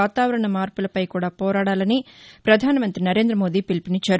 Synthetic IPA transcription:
aːt̪aːʋɐɾɐɳɐmaːɾpulɐpɐjkuːɽaːpɔːɾaːɽaːlɐnipɾɐd̪ʱaːnɐmɐnt̪ɾinɐɾe̞ːnd̪ɾɐmo̞ːd̪iːpilipinit͡ʃːaːɾ

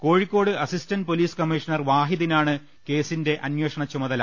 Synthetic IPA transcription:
ko̞ːɻikʲːo̞ːɽɨɐsistɐnd̚poliːskɐmiʂɐnɐrʋaːɦiðinaːɳɨ | ke̞ːsinde̞ʔɐnjoːʂɐɳɐt͡ɕːumɐðɐla

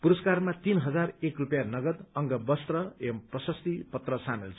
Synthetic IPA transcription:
puɾʌskarmat̪inɦʌd͡zarekrupjanʌɡʌd̪ʌŋɡʌbʌst̪rʌemprʌsʌst̪ipʌt̪rʌsanelt͡sʰ

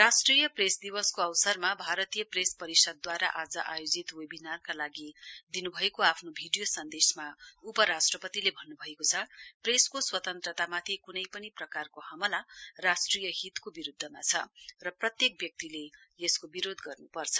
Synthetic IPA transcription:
rasʈrijʌpresd̪iwʌskoʌwsʌrmabʱaɾʌt̪ijʌprespʌɾisʌd̪̚ːwaɾaʔad͡zʌʔajod͡zit̪webinarkalaɡid̪inubʱʌekoapʰnobʱiɖijosʌnd̪esmaupʌɾasʈrʌpʌt̪ilebʱʌnːubʱʌekot͡sʰʌpreskoswʌt̪ʌnt̪rʌt̪amat̪ʰikunʌjpʌniprʌkarkoɦʌmʌlarasʈrijʌɦit̪kobiɾud̪ʱːʌmat͡sʰʌrʌprʌt̪jek̚bjʌk̚t̪ileeskobiɾod̪ɡʌrnupʌrt͡sʰʌ̥

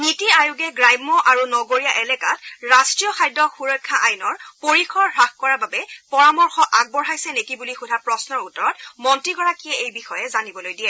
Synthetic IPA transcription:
nitiajuɡɛɡɹajmːɔʔaɹunɔɡoɹijaʔɛlɛkatɹastɹijɔxʰajdɔxuɹɔkʰːaʔajnɔɹpoɹixɔɹɹaxkɔɹababɛpɔɹamɔɹxɔʔaɡ̚bɔɹɦajsɛnekibulixudʱapɹɔsnɔɹutɔɹɔtmɔntɹiɡɔɹakiɛejbixɔjɛzanibɔlojdiɛ

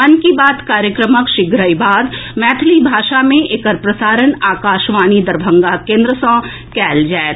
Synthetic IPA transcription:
mɐnkibaːt̪kaːɾjəkɾəməkʃɪɡɾəibaːd̪mɛːt̪ʰlibʱaːʃamẽʔekəɾpɾəsaːɾənaːkaːʃʋaːnid̪ɐɾbʱə̃ŋɡakẽːnd̪ɾəsɔ̃ː | kɛːld͡ʒaːet̪

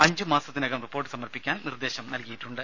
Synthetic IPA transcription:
ɐɲd͡ʑɨmaːsɐt̪ːinɐɣɐmripːo̞ːrʈːɨsɐmɐrpikʲːaːnnird̪e̞ːɕɐmnɐlkɐjiʈːuɳɖɨ

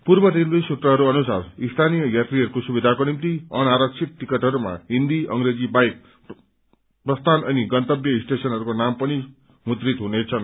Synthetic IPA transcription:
purbʌɾelbesut̪rʌɦʌɾuʌnusarist̪ʰanijʌjat̪riɦʌɾukosubid̪ʱakonimt̪iʌnaɾʌk̚t͡sʰik̚ʈikʌʈɦʌɾuma̰ɦind̪iʌŋɡɾed͡zibajk̚ | prʌst̪ʰanʌniɡʌnt̪ʌbjʌisʈesʌnɦʌɾukonampʌni | mut̪rit̪ɦunet͡sʰʌn

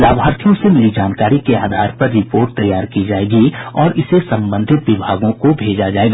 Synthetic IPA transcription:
laːbʱɦaːɾt̪ʰijõsemɪlid͡ʒaːnkaːɾikeaːd̪ʱaːɾpɐɾːɪpoːɾʈ̚t̪ɐjːaːɾkid͡ʒaːeːɡiɔːɾɪsesɐ̃mbə̃nd̪ʱɪt̪ʋɪbʱaːɡõkobʱeːd͡ʒad͡ʒaːeːɡa

